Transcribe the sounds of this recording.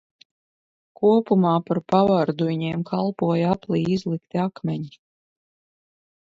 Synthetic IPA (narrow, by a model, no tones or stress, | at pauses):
kuɔpumaːpaɾpavaɾd̪uɲeːmkʰalˠpuɔjaplˠiːizlˠikt̪iakmʲɛɲi